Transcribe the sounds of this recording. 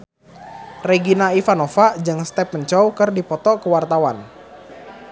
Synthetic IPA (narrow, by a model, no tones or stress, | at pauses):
reɡinaifanofad͡ʒɨŋst̪ɛpːəɲt͡ʃɔwkərdipɔt̪ɔkəwart̪awan